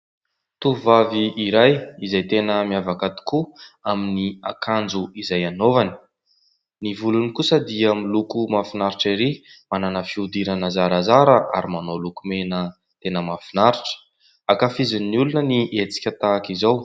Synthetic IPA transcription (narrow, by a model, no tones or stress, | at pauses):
t̪uvaviːɾajizajt̪enəmiavakat̪i̥kuaminia̰kand͡zuizajanovani̥ | nivulunikusəd̪iəmilukumafinaɾiʈ͡ʂiɾimananəfiud̪iɾanəzaɾazaɾəʔa̰ɾimanolukumenə | t̪enəmafinaɾiʈ͡ʂə̥ | akafiziniulunəniʔet͡si̥kʲət̪aːkizaw